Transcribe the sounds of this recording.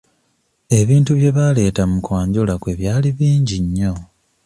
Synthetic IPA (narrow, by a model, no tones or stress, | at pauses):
e̞βiːntuβje̞βale̞ːtamukwaːɲɟolakwe̞βjaːliβiːɲɟiɲːo̞